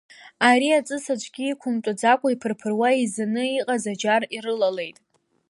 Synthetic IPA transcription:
aɾiat͡sʼɨsad͡ʒʷʰʼɡʲiːkʷʰʊmtʷʼad͡zakʷʼaipʰɨrpʰɨrwaizanɨiqʼazad͡ʒarirɨlale̞jtʼ

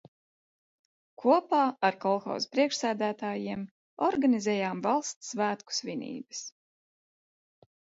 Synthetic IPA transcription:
kʰuɔpaːaɾkɔlˠxɔ̰wzpɾiɛkʃsæːd̪æːt̪aːjiɛm | ɔɾɡanizʲɛːjaːmvalˠst̪svæːt̪ku̥svinʲḭːbɨs

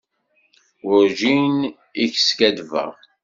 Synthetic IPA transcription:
ʊɾʒin | iç̥skæd̪væ̰

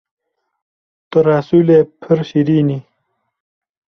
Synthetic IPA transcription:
t̪oɾaːsulepʰəɾɕiɾiːni

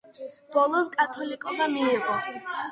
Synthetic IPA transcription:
b̥ɔlˠɔskʼat̪ʰɔlikʼɔd̪amiːʁɔ

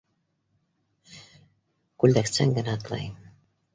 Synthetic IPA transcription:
kʉld̪æksæ̰ŋɡɘ̆næt̪lˠɑ̰jm

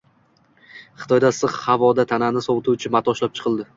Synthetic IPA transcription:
χɨ̥t̪ʰɒjd̪asɨχhavɒd̪at̪ʰananɪsɒwt̪ʰut͡ʃʰɪmat̪ʰɒʃlap̚t͡ʃʰɨ̥qʰɨlˠd̪ɪ

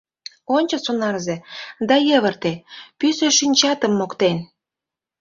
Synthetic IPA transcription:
onʲt͡ɕə̆sonɑrzed̪ɑjəβə̆rt̪epyseʃynʲt͡ɕɑt̪əmːokt̪en

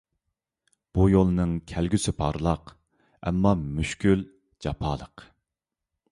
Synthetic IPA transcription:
b̥ujolˠnɨŋkʲʰælɡʲysɪpʰɑɾlˠɑq | ɛ̰mːɑmyʃkʲyl | d͡ʒɑpʰɑːlˠəq

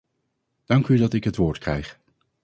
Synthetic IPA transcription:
d̥ɑŋkydɑtɪkɦətʋʊːɹtkrɛ̰jχ

